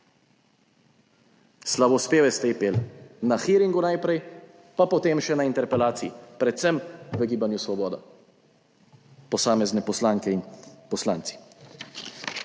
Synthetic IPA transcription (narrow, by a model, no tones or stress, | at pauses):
slabɔspeːʋɛst̪ɛipeːlnaxiɾiŋɡunajpɾɛj | papɔt̪eːmʃɛnaint̪ɛɾpɛlaːt̪siipɾɛt̪sɛmʋəɡiːbanjusʋɔbɔːd̪a̰ | pɔsaːmɛznɛpɔslaːŋkɛinpɔslaːnt̪i̥